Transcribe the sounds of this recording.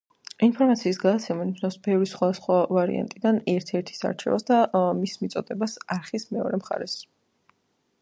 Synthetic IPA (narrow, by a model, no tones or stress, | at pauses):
inpʰɔɾmat̪sʰiːsɡad̪at̪sʰɛmaniʃnasbɛvɾisχwad̪asχwavaɾḭa̰nt̪ʼid̪anɛɾt̪ʰɛɾt̪ʰi̥sa̰ɾt͡ʃʰɛ̰vasd̪amismit̪sʼɔd̪ɛbasaɾχismɛɔ̰ɾɛmχa̰ɾɛs